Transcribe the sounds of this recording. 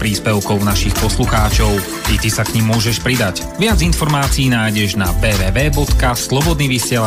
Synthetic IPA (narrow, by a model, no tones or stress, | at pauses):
pɾiːspɛʊkɔʊnaʃixpɔsluxaːt͡ʃɔʊ | t̪it̪isakɲimːʊɔʒɛʃpɾid̪ac | ʋɪad͡zinfɔɾmaːt͡siːnaːjɟɛʒna̰bɛːʋɛːʋɛːbɔt̪kaslɔbɔd̪niːʋisɪɛla